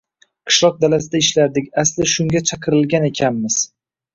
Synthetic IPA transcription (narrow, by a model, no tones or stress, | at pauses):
qʰɨ̥ʃlˠɒq̚d̪alas̬ɪd̪aɪʃlaɾd̪ɪkʲaslɪʃʊŋʲat͡ʃʰɑqʰɨɾɪlˠɡʲane̞kʲʰamːɪz̥